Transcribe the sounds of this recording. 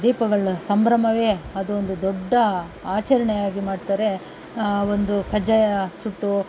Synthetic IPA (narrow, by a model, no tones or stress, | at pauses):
d̪iːpɐɡɐɭusɐmbɾɐmɐʋe̞ːɐd̪uond̪ud̪ɔɖːɐ | aːt͡ʃɐɾɐɳɛjaːɡimaːɖt̪aːɾe̞ | ond̪ukɐd͡ʒɐjɐsuʈːu